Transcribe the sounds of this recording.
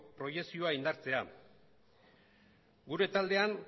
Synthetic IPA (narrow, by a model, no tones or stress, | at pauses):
pɾo̞je̞ksio̞aind̪aɾt͡se̞a | ɡuɾe̞t̪ald̪e̞aŋ